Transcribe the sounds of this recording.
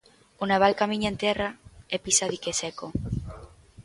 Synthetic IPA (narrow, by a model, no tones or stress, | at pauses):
onaβ̞alkamĩɲaẽnt̪ɛraepisaðikesɛko